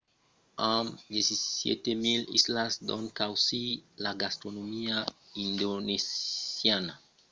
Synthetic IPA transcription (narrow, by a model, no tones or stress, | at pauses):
amd̪jesisjḛt̪emilḭslasd̪o̰nkawsilaɡast̪ɾonomiaind̪onesjana